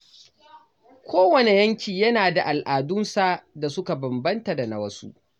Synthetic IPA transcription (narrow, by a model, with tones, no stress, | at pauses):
kʷʰoː˦wɐ˨ne˨jɐ˦ŋkʲiː˨jɐ˦naː˨da˨ʔa˨lʔaː˨dʊ˦nsa˦da˨sʊ˦ka˨bɐ˨mbɐ˦nta˨da˨na˨wɐ˦sṵ˦ʔ